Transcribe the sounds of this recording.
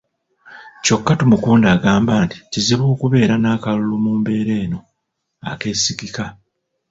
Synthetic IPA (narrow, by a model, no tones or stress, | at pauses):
co̞kːatumukuːndaːɡaːmbaːnti̥ciziβoːkuβe̞ːɾanaːkalulomuːmbe̞ːɾe̞ːno̞ | a̰ke̞ːsikika